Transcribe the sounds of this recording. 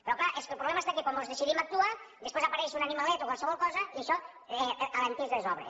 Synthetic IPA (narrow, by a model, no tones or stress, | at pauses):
peɾɔklaʔeskelpɾulɛmaest̪akekwambozðesiðimak̚t̪uad̪espwezapaɾɛjʃunanimalet̪okwalˠseβɔlˠkɔzaieʃɔ | ɛaβant̪ezðezɔβɾḛ